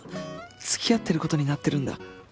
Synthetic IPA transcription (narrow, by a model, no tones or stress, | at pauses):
t͡sɨ̥kʲijat̪ːe̞ɾɯ̟ko̞t̪o̞ɲ̟inat̪ːe̞ɾɯ̟̃nd̪a̰